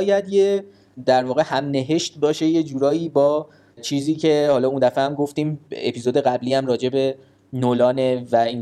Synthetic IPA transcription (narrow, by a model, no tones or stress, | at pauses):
jæd̪je | d̪æɾvɒːɣe̞hæmne̞ɦe̞ʃt̪bɒːʃe̞je̞d͡ʒuːɾɒːjiːbɒː | t͡ʃʰiːziːcʰe̞hɒːlɒːund̪æfehæmɡo̞ft̪iːmḛpʰiːzod̪e̞ɣæbliːæmɾɒːd͡ʒe̞be̞ | nolɒːnevæiːn